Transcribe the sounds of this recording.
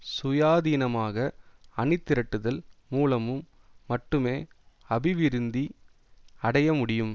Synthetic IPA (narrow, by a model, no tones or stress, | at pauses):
sʊjaːðiːnɐmaːɣɐɐnɪt̪ːɪɾɐʈːɯðɐlmuːlɐmɯmː | ɐʈːɯmeː | ɐbɪʋɪɾɯnd̪i | ɐɽɐjɐmʊɽɪjɯm